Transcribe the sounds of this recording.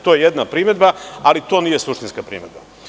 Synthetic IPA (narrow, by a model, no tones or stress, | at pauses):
t̪ojejed̪napɾiːme̞d̪baalit̪o̞ːniːjesuʂt̪inskapɾḭːme̞d̪̚ba̰